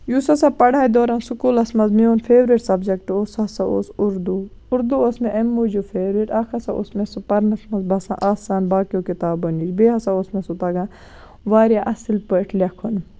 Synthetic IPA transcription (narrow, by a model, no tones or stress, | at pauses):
jusɐsapɐɽaːid̪oːɾɐnsukuːlɐsmɐzmeoːnfʰeːʋɾeʈsɐbd͡ʒɐkʈoːsɐsaʔo̰ːsuɾd̪uː | ɾd̪uosmeʔɐmːuːd͡ʒufʰeːʋɾiʈɐkʰɐsɐʔo̰smesupɐɾnɐsmɐzbɐsã̰ʔaːsaːnbaːkjoːkit̪aːbɐnid͡ʒbeːɦɐsaoːsmesut̪ɐɡã | ʋaːɾjaʔɐsilpəʈʰlʲɐkʰon